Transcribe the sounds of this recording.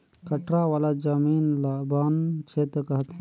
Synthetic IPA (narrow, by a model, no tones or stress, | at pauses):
kəʈɾaʋaːlad͡ʒamiːnlabaːnkʰeːt̪ɾəkəɦət̪ɦɛ̃